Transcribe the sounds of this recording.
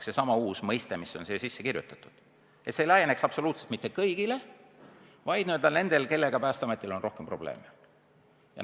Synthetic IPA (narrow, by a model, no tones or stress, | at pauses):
sesɑmɑuːsmɤjst̪emiso̞nseːsisːekirjṵt̪ˑːɑ̥t̪ːˑud̪̥ | e̞t̪seilæjene̞ksɑpso̞luːt̪selt̪mit̪ːekɤjɡile̞ | vɑjd̪nyøld̪ɑne̞nd̪̥e̞lke̞lːe̞ɡ̥ɑpæːst̪ɑme̞t̪ːˑilo̞nro̞hkempro̞b̥le̞̰ːm | jɑ̰